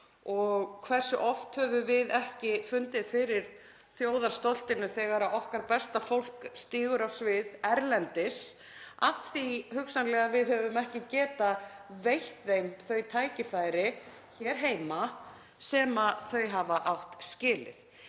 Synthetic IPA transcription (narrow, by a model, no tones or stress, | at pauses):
ɔɣkʰvɛr̥sʏʔɔft̪hœvʏvɪðɛhcɪfʏnt̪ɪðfɪɾɪɾ̥ | θjoːwðaɾ̥st̪ɔl̥t̪ɪnʏθɛɣaɾaɔhkaɾpɛst̪afowl̥kst̪iːɣʏɾawsvɪðɛɾlɛnt̪ɪs | aθihʏksanlɛɣavɪðhœvʏmɛhcɪcɛːt̪avejht̪θejmθœɥt̪ʰaːjcɪfaːjɾɪ | çɛɾ̥ɦeːjma | sɛːmaθœɥɦavaʔawht̪scɪːlɪ̰θ